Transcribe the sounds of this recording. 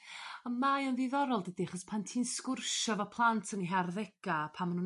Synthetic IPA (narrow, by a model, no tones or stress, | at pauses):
əmajənðɪðɔɾɔlˠdədiaχɔspʰantʰiːnskʊrʃɔvapʰlˠantʰəniɦarðɛɡ̥apʰamanhu